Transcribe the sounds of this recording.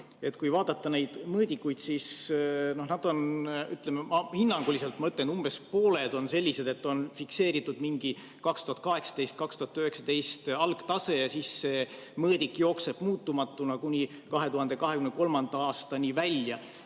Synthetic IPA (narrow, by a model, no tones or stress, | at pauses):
e̞t̪ːˑkujvɑːd̪̥ɑt̪ːɑne̞jd̪̥mɤːd̪ikːujd̪̥sisno̞hnɑd̪̥o̞nyt̪ˑlememɑhinːɑŋɡ̥ulise̞lt̪ːˑmɑøt̪lenumb̥e̞spo̞ːle̞d̪̥o̞nse̞lʲːise̞d̪e̞t̪ːo̞nfikse̞ːɾit̪ːˑud̪miŋɡ̥i | kɑkst̪uhɑt̪kɑɦe̞ksɑ̥t̪e̞jst̪̚kɑkst̪uhɑt̪ːyhe̞ksɑ̥t̪e̞jst̪ɑlɡ̥t̪ɑse̞jɑsisːe̞ | mɤːd̪̥ʲikːˑjo̞ːkse̞b̥muːt̪ːumɑt̪ːˑunɑkunʲi | kɑɦe̞t̪uɦɑnd̪̥e̞kɑɦekymneko̞lmɑnd̪̥ɑɑːst̪ɑnʲivælʲjɑ